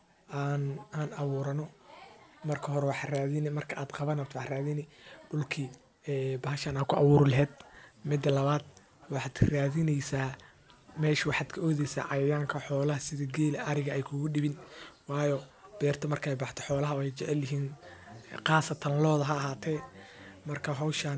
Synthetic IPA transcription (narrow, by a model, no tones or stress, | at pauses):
ʔaːnaːnʔɐβuːɾɐnɔ | mɐrkʰɐɦɔɾɛwɑħraːðɪnɪmɐrkʰɐʔaːd̪qɑβɐnɐt̪ʰwɑħraːðɪnɪɖʊlkʰi | ɛːbɐɦɐʃaːnaːkʰʊʔɑwuːɾʊlɛɦɛːd̪mɪd̪ːɐlɐβaːd̪ | wɑħɑd̪raːðɪnɛjsaː | mɛːʃɪwɑħɑd̪kʰɐɔːðɛjsa̰ːʕɑjjaːŋkʰɐħɔːlɐhɐsɪðɐɡɛːlɛʔɐɾɪɣɐʔɛjkʰʊɣʊɗɪβɪnwɑːjɔb̥ɛːrt̪ʰɐmɐrkʰɐɛjbɑħt̪ʰɔ̥ħɔːlɐɦɐwɛjt͡ʃɛʕɛlːɪɦiːn | qɑːsɐt̪ʰɐnlɔːðɐɦɐːɦaːt̪ʰɛːmɐrkʰɐɦɔwʃaːn